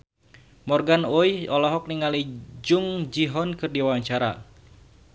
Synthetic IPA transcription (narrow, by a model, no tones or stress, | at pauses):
mɔrɡanojɔlɔɦɔk̚niŋalid͡ʒuŋd͡ʒiɦɔnkɨrdiwaaɲt͡ʃaɾa̰